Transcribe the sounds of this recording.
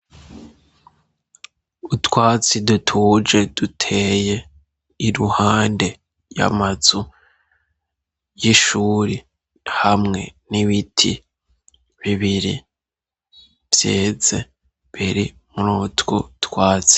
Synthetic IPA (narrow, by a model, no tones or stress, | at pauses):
utwaːt͡sidutʰuːd͡ʒe̞dutʰe̞ːje̞ | iɾuhaːnde̞ | ja̰mazu | jiʃuːɾi | hamŋe̞̰niβitʰḭ | βiβiɾḭ | bjeːze̞ | βiɾi | muɾuːtɡṵtwaːt͡si̥